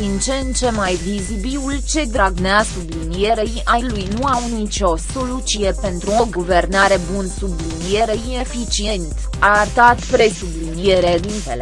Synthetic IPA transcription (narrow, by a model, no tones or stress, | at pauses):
d̪int͡ʃent͡ʃe̞majvizibiult͡ʃe̞d̪ɾaɡneasublinie̞ɾejalujnuawnit͡ʃo̞so̞lut͡ʃije̞pe̞nt̪ɾuo̞ɡuve̞rnaɾe̞bunsublinije̞ɾeine̞fit͡ʃie̞nt̪ | art̪at̪pɾe̞sublinije̞ɾed̪int̪ele